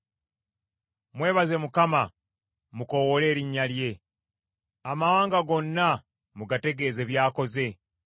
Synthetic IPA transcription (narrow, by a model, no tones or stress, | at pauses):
mwe̞ːβaze̞mukama | muko̞wole̞ːɾiɲːalje̞ | amawaːŋɡaɡo̞nːa | muɡate̞ɡe̞ːze̞βjaːko̞ze̞